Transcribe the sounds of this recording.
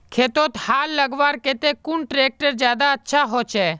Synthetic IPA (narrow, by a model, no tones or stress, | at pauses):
kʰeːt̪ot̪haːlːəɡʋaːɾket̪ekuɳʈɾeːk̚ʈəɾd͡ʒjaːd̪aətːʃʰaɦot͡ʃʰeː